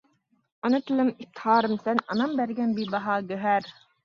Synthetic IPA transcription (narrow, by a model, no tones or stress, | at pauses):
ɑnɯt̪ʰɨlˠɨmip̚t̪ʰɪ̥hɑːɾɯmsɛnɑnɑmbæɾɡʲɛnbibɑɦɑːɡøɦæɾ